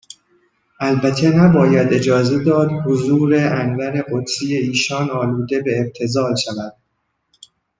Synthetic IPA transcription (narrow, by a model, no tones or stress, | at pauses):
ʔælbæt̪ʰːe̞næbɒːjæd̪e̞d͡ʒɒːze̞d̪ɒːd̪hozuːɾeʔænvæɾe̞ɢod̪sijeiːʃɒːnɒːluːd̪e̞beːb̥̚t̪ʰe̞zɒːlʃævæd̪̥̚